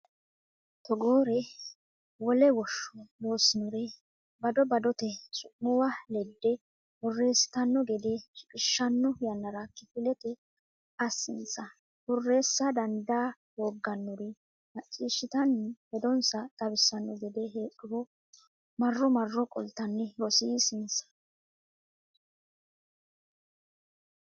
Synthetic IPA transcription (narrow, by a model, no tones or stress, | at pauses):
t̪ɔɡoːɾɛ | wɔlɛwɔʃːɔloːsɪnɔɾɛ | bɐd̪ɔbɐd̪ɔt̪ɛsʊʔːʊwɐlɛd̪ːɛ | wɔrːe̞ːsɪ̥t̪ɐnːɔɡɛd̪ɛʃɪkʼɪʃːɐnːɔjɐnːɐɾakɪpɪlɛt̪ɛ | ɐsːɪnt͡sːɐ | bɔrːe̞ːsːɐd̪ɐnd̪aː | woːɡːɐnːɔɾɪ | nɐt͡ʃʼːiːʃːɪt̪ɐnɛhɛd̪ɔnsɐt̪ɐbɪsːɐnːɔɡɛd̪ɛɦeːkːɪbɔ | mɐrːɔmɐrːɔkʼɔ̰lt̪ːɐnːɛɾɔsiːsɪnsɐ̥